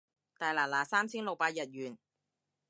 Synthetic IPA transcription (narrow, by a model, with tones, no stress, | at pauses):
t̪aː˨˩jlaː˨˩laː˨˥saː˥msʰi˥ŋlo˨˩paː˧ja˨˩t̪̚jyː˨˩n